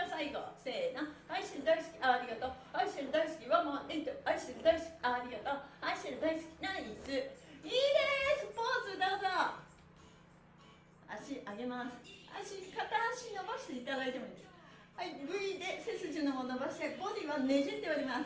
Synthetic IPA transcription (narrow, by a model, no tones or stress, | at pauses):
saiɡose̞ːnoaisiɾɯd̪aisɨ̥kʲi̥ʔaːɾʲiɡat̪o | aiseɾɯd̪aisɨ̥kʲiβamoːʔet̪oaiseɾɯd̪aisɨ̥kʲi̥aɾʲiɡat̪oːaiseɾɯd̪aisɨ̥kʲi̥naɾait͡sɨiːd̪esɨpoːt͡sɨd̪aza | a̰ɕiʔaɡe̞masɨ̥a̰ɕikat̪aaɕinobaɕi̥t̪e̞it̪ad̪ait̪e̞moĩnd̪es | haiɡɯ̟id̪e̞sesɨʑɨnomonobaɕi̥t̪eɡod̪ʲiβame̞ʑet̪ːeoaɾʲimasɨ̥